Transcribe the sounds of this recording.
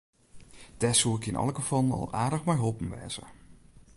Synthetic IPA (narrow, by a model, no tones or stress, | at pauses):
d̥ɛsuɪkɪnʔɑ̰lˠəɡəfɔlˠənɔ̰lˠaːdəxmɛjɦolˠpən̩ʋɛ̰ːz̥ə̰